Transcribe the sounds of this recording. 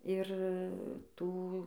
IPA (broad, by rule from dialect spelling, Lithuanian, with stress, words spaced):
ɪr ˈtuː